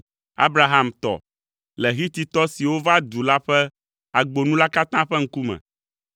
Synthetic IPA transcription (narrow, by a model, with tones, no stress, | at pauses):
a̰˦bɾa˨ɦa˦mt̪ɔ̰˨ | lɛ˨ɦi˦t̪i˨t̪ɔ˦si˨wo˦va˦d̪u˨la˦ɸɛ˦ | a˨ɡ͡bo˨nũ˦la˦ka˦t̪ã˦ɸɛ˦ŋ̩˦ku˦mɛ̰̃˨